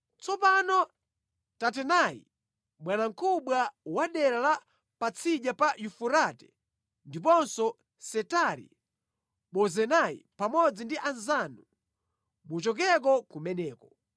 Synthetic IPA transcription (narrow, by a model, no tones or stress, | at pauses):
t͡sɔpanɔ | tat̬ɛnajḭ | ɓwanaŋ̩kʰuɓwawaɗɛɾala | pat͡sʰiʄapajufuɾatɛ̥ | ndip̬ɔnsɔ | sɛtaɾḭ | ɓɔzɛnaḭpamɔd͡zindiʔanzanu | mut͡ʃɔk̬ɛk̬ɔkumɛnɛːkɔ